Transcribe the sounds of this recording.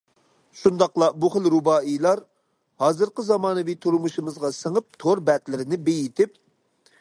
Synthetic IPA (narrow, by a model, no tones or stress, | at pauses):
ʃund̪ɑqlˠɑbuχəlɾubɑːilˠɑɾ | hɑːzɨɾqəzɑmɑːnɨvit̪ʰuɾmuʃɨmɨzʁɑsəŋəp̚t̪ʰoɾbɛt̪lɪɾɪnɪbejit̪ʰɪp